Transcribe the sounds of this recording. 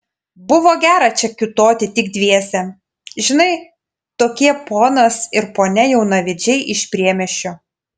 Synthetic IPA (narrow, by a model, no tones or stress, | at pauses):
bʊʋoːɡʲæːɾɐt͡ʃʲɛkʲɪt̪oːt̪ʲɪt̪ʲɪɡd̪ʲʋʲiɛsʲɛ | ʒʲɪnɐɪ | t̪oːkʲiɛpoːnɐsɪɾpoːnʲɛjɛʊnɐʋʲɪd͡ʒʲɛɪʔɪʃʲpʲɾʲiɛmʲɛʃʲt͡ʃʲoː